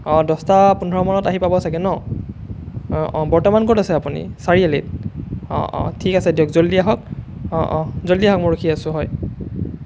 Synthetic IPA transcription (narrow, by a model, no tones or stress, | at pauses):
ɔ̃dɔstapunʱɔɹɔmanɔtaɦipabɔsaɡɛnɔ | bɔɹtɔmankotasɛapunḭsaɹialḭt̚ɔ̰tʰikasɛdɔkzoliaɦɔk̚ | zolːiaɦɔk̚mojɹokʰiasʊ̃ɦɔj